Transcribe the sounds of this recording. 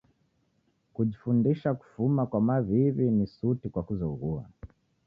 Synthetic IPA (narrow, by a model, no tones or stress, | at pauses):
kuʄifundiʃaku̥fumakwamaviβinisutikwakuzɔɣua̰